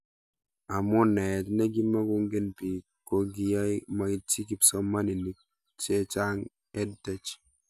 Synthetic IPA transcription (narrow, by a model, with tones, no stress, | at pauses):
a˨mɔ˦nɛ˨tnɛ˦ɡi˦ma˦ɡʊ˦ŋɡe˦npi˨ | ko˦ɡi˨ja˦jma˨ɡi˦ti˦ki˨psɔ˦ma˦ni˨ni˨k̚ | t͡ʃe˦t͡ʃa˦ŋ | ɛ˦d̚tɛ˦t͡ʃ